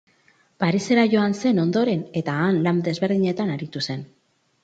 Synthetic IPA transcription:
paɾise̞ɾaʝo̞anse̞no̞nd̪o̞ɾe̞ne̞t̪aːnlamd̪e̞zβe̞ɾð̞iɲe̞t̪anaɾit̪use̞n

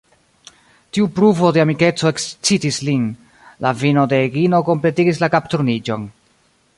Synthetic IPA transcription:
tiupɾuvo̞de̞amike̞t͡so̞ekst͡sitislin | lavino̞deːɡino̞ko̞mple̞tiɡis̬lakaptuɾnid͡ʒo̞n

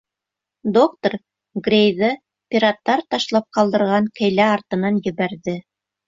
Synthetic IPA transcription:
d̪ok̚t̪oɾ | ɡrʲejðɤ | pʲiɾat̪ːɑɾt̪ɑʃlˠɑp̚qɑlˠd̪ɤ̆ɾʁɑŋkɘ̆jlæɑɾt̪ɤ̆nɑnjɘ̆βæɾðɘ

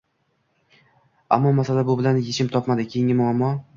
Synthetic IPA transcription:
a̰mːɒmasalabʊbɪlanjet͡ʃʰɪmt̪ʰɒpmad̪ɪkʲʰejɪŋʲɪmʊamːɒ

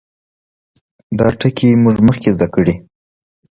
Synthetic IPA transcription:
d̪ɑʈəkʰimuʐməxkezd̪akəɽi

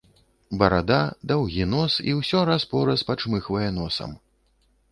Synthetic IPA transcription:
bɐɾad̪ad̪awɣʲinɔsiwsʲɔɾaspɔɾɐspat͡ʂmɨxvɐjɛnɔsɐ̰m

